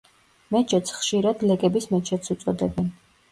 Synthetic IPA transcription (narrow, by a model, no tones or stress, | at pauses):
mɛt͡ʃʰɛt̪sʰχʃiɾad̪lɛkʼɛbismɛt͡ʃʰɛt̪sʰut̪sʼɔd̪ɛbɛn